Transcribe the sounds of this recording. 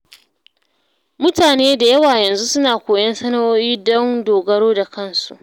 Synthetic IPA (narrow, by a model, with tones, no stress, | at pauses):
mʊ˦taː˨neː˦da˨jɐ˦waː˨jɐ˨nzu˦sʊ˦naː˨kʷoː˨jɐ˦nsɐ˦nɐ˦woː˦jiː˦dɔ˦ŋdoː˨ɡɐ˦ɾoː˦da˨kɐ˦˨nsu˨ʔ